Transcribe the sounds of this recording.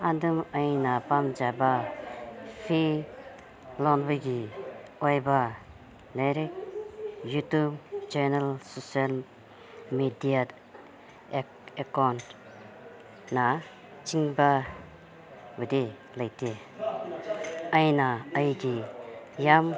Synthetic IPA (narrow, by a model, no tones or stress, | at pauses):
adɯməjnapamd͡ʒaba | pʰi | lɔnbɯɡiɔjba | leɾik̚ | jutubt͡ʃanalsosial | midija | ekawnt | na | t͡ʃiŋba | wide | lajte | əjnaəjɡijam